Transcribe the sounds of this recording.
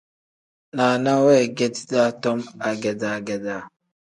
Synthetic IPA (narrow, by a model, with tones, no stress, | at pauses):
na˨na˦we˦˨ɡe˦dda˦tɔ˦ma˨ɡɛ˨da˨ɡɛ˨da˨